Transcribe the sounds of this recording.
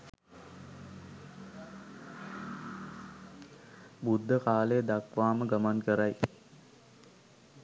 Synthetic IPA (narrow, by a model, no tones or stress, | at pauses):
bud̪ʱːəkaːlejəd̪akʋaːməɡamankəɾaj